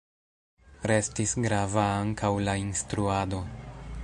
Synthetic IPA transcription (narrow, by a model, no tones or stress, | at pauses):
ɾe̞stisɡɾavaaŋkawlainstɾuado̞